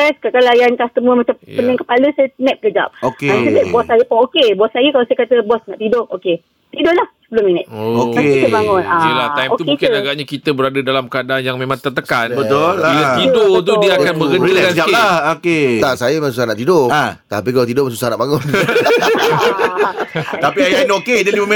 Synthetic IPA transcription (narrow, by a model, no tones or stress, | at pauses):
ɛskakalajaŋkast̪əməmat͡ʃampənãŋkəpaləsajənɛ̃t̪̚ɡəd͡ʒa̰p̚okeasəbeʔ̚bɔssajəpʊŋokebɔsajəkalasajəkat̪əbɔsnaʔt̪idʊʔoke | t̪idʊlahsəbəlʊminət̪ookaekəbaŋʊnaəlaajmok̪t̪umkɪnaɡaʔɲakit̪əbəɾadədalamkəadaanjaŋmẽmãŋt̪ərt̪əkanbət̪oliaidot̪udiakanmə̃ɡəikaalahoket̪aʔsajamãsusahnaʔt̪idoat̪apikalat̪idʊmansu̥sahna̰ʔbaŋʊn | t̪apiajanokedaiməme